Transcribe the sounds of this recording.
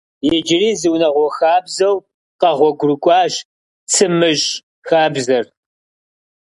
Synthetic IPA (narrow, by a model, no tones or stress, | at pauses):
jɛd͡ʒɪriːzɨwnɐʁʷɔxaːbzɐw | qɐʁʷɔɡʷʊrɨkʷʼɑːʒ | t͡sʰɨmɨʒ | xaːbzɐr